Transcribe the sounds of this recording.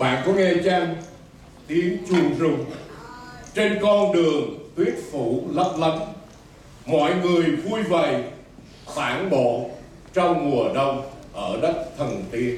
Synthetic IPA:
ɓa̰ː˧˨nkɔ˨˦ŋɛ˧t͡ɕa˧ŋ | t̪i˨˦ənt͡ɕi˨˩ənzʊ˨˩ŋ͡m | t͡ɕe˧nkɔ˧nɗɨ˨˩əŋt̪wi˦˥ət̚fu˧˩lə˦˥p̚lə˨˦n | mɔ̰˧˨jŋɨ˨˩əjvu˧jvə˨˩˨j | faː˧˩nɓo̰˧˨ | t͡ɕɔ˧wŋ͡mŋu˨˩əɗə˧wŋ͡mʔəː˧˩ɗə˦˥t̚t̪ʰə˨˩nt̪i˧ən

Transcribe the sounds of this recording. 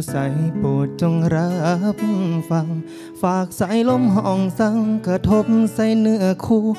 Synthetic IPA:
sa˨˦jpoː˨˩t̪̚t͡ɕo˧ŋɾa˧p̚fa˧˦m | faː˨˩k̚sa˨˦jlo˧˥mɦɔː˧˩ŋsa˧˥ŋkɾa˧t̪ʰo˧˥p̚sa˧˥˩jnɯ˧˩əkʰuː˧˩

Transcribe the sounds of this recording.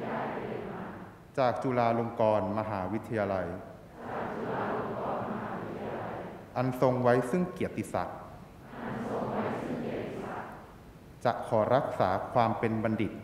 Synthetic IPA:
aː˥˩˧i˨˩maː˧ | t͡ɕaː˨˩k̚t͡ɕu˧laː˧lo˧ŋkɔː˧nma˧ɦaː˩˦wi˦˥t̪ʰːa˧jaː˧la˧j | aː˨˩k̚t͡ɕu˧laː˧lo˧ŋkɔː˧nma˧haː˩˦wi˦i˦˥t̪ʰːa˧ja˧a˧jʔa˧nso˧ŋwa˦˥jsɯ˥˩ŋki˨˩ət̪ʰːi˨˩sa̰˨˩k̚ | ʔa˧nso˧ŋwa˦˥jsɯ˥˩ŋki˨˩ət̪ːi˨a˨˩ | t͡ɕa˨˩ʔkʰɔː˩˦ɾa˦˥k̚saː˩˦kʰwaː˧mpe˧nba˧ndi˨˩t̪̚

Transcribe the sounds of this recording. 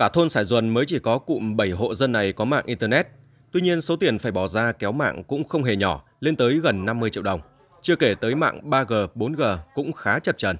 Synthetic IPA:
kaː˧˩t̪ʰo˧nsaː˧˩jzwə˨˩nməː˨˦jt͡ɕi˧˩kɔ˨˦kṵ˧˨mɓə˧˩jɦo̰˧˨zə˧nːa˨˩jkɔ˨˦ma̰ː˧˨ŋʔi˧nt̪əː˧nɛ˦˥t̚ | t̪wi˧ɲi˧ənso˨˦t̪i˨˩ənfaː˧˩jɓɔ˧˩zaː˧kɛ˨˦wma̰ː˧˨ŋkʊ̰˧˥ŋ͡mxə˧wŋ͡mɦe˨˩ɲɔ˧˩ | le˧nt̪əː˨˦jɣə˨˩nːa˧mːɨ˧əjt͡ɕḭ˧˨əwɗə˨˩wŋ͡m | t͡ɕɨ˧əke˧˩t̪əː˨˦jma̰ː˧˨ŋɓaː˧ɣəː˨˩ɓo˨˦nɣəː˨˩kʊ̰˧˥ŋ͡mxaː˨˦t͡ɕə˨˩p̚t͡ɕə˨˩n

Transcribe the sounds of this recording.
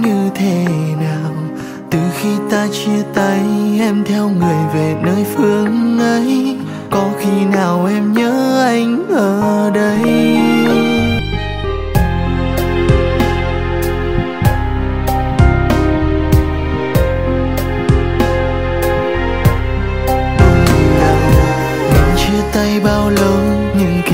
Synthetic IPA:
ɲɨ˧t̪ʰe˧˩naː˨˩w | t̪ɨ˨˩xi˧t̪aː˧t͡ɕi˧t̪ə˨˧˦jʔɛ˧mt̪ʰɛ˧wŋɨ˨˩əjve˨˩nəː˧jfɨ˧əŋʔə˧˦j | kɔ˨˦xi˧naː˨˩wʔɛ˧mɲəː˧˦ʔa˧jŋ̟ʔəː˨˩ɗə˧˦j | ɗə˧i˨˩laː˨˩m | mi˨˩ŋ̟t͡ɕɨ˧ət̪a˧jɓaː˧wlə˨˧˦w | ɲɨ˧ŋk

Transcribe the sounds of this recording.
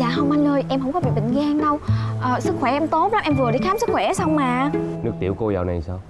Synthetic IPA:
za̰ː˧˨˩ɦə˧˩wŋ͡mma˧nləː˧jʔɛ˧mhə˧wŋ͡mkɔ˨˦ɓḭ˧˨˩ɓḭ˧˨ŋ̟ɣaː˧ŋɗə˧wʔəː˨˩sɨ˦˥k̚xwɛ˧˩ʔɛ˧mt̪o˨˦˥t̚la˦mʔɛ˧mvɨ˨˩əɗi˧˦kxaː˨˦msɨ˦˥k̚xwɛ˧˩˦sa˧wŋ͡mmaː˨˩nɨ˦˥k̚t̪ḭ˧˩wko˧zaː˨˩wna˨˩jsaː˧w

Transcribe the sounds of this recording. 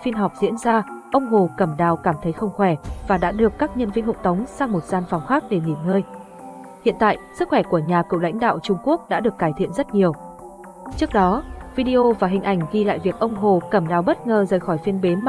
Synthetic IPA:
fi˧nɦɔ˨˩wp̚zḭ˧˥ənzaː˧ʔə˧wŋ͡mɦo˨˩kə˧˩mɗaː˨˩wkaː˧˩mt̪ʰə˨˦jxə˧wŋ͡mxwɛ˧˩vaː˨˩ɗa̰ː˧˥ɗɨ˨˩əkːaː˦˥k̚ɲə˧nvi˧ənɦʊ̰˧˨ŋ͡mt̪ə˨˦wŋ͡msaː˧ŋmo˨˩t̚zaː˧nfa˨˩wŋ͡mxaː˦˥k̚ɗe˧˩ŋi˨˧˩mŋəː˧j | hḭ˧˨ənt̪a̰ː˧˨jsɨ˦˥k̚xwɛ˧˩ku˧˩əɲaː˨˩kɨ̰˧˨wla̰˧˥jŋ̟ɗa̰ː˧˨wt͡ɕʊ˧ŋ͡mku˦˥ək̚ɗa̰ː˧˥ɗɨ˨˩əkːaː˧˩jt̪ʰḭ˧˨ənzə˦˥t̚ɲi˨˩əw | t͡ɕɨ˦˥ək̚ɗɔ˨˦vi˧ɗi˧ʔo˧vaː˨˩ɦï˨˩ŋ̟ʔa˧˩jŋ̟ɣi˧la̰ː˧˨jvi˨˩ək̚ʔə˧wŋ͡mɦo˨˩kə˧˩mɗaː˨˩wɓə˦˥t̚ŋəː˨˩zəː˨˩jxɔ˧˩jfi˧ənɓe˨˦nm˨

